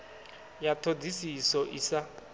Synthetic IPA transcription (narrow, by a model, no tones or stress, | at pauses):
jatʰod͡zʱisisɔʔisa